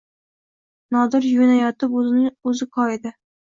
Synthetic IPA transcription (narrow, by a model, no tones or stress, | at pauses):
nɒd̪ɪɾjʊnajɒt̪ɪpznɵzɪkʰɒed̪ɪ